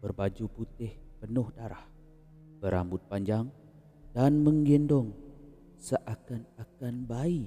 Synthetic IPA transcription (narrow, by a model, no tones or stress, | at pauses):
b̥ərbad͡ʒuput̪ɪhpənʊhdaɾah | b̥əɾa̰mbʊt̪̚paɲd͡ʒaŋ | danməŋɡindɔŋ | səʔakanakanbai